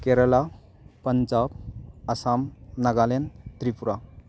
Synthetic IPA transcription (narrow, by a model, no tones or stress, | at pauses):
keɾəla | pənd͡ʒabɐsamnɐɡalent̪ɾipuɾa